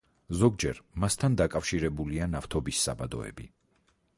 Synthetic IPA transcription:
zɔɡ̚d͡ʒɛɾmast̪ʰand̪akʼafʃiɾɛbulianaft̪ʰɔbisːa̰bad̪ɔ̰ɛ̰bi

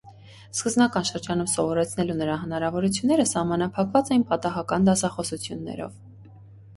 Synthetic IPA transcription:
skəzbnɑkɑnʃəɾd͡ʒɑnumsɔvɔɾɛt͡sʰn̪ɛlunəɾɑɦənɑɾɑvɔɾut͡sʰjunːɛɾəsɑhmɑnɑpʰɑkvɑt͡sɛjinpɑt̪ɑɦɑkɑnd̪ɑsɑχɔsut͡sʰjunːɛ̰ɾɔ̰v

